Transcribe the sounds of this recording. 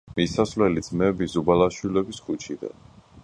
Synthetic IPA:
misasvlɛlid̪z̥mɛbizubalaʃwilɛbisχʰut͡ʃʰid̪a̰n

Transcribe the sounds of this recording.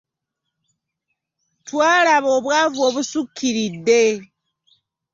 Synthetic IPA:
twaːlaβo̞ːβwaːvoːβusukʰːiɾidːe̞

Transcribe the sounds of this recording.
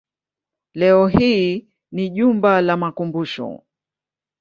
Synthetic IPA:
lɛɔɦiː | niʄumbalamakumbuʃɔ̰

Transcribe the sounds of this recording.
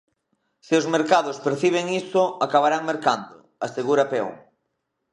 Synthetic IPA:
seʊzmeɾkaðʊspeɾθiβ̞eŋisʊakaβaɾaŋmeɾkand̪ʊ̰ | aseɣuɾapɛṵŋ

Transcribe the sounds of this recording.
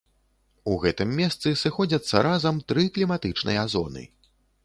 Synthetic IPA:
uɣɛt̪ɨmːʲɛst̪sɨsɨxɔd͡zʲɐt̪sːɐɾʔazɐmt̪ɾɨklʲimat̪ɨt͡ʂnʔɨ̰jɐazɔnɨ̰

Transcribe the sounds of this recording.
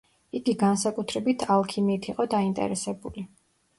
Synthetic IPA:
iɡiɡansakʼut̪ʰɾɛbit̪ʰalˠkʰimit̪ʰiqʼɔd̪aint̪ʼɛ̰ɾɛsɛbuli

